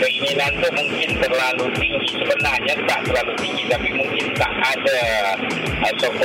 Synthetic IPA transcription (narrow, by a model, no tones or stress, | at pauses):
əinilant̪ʊʔmuŋkɪnt̪ərlalunisəbənarɲat̪a̰ʔt̪ərlalut̪iŋɡit̪apimuŋkɪnt̪a̰ʔada | əsɔkɔ